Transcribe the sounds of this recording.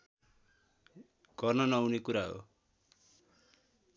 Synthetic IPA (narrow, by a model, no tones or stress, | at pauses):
ɡ̥ʌrnʌnʌunekuɾaɦo̰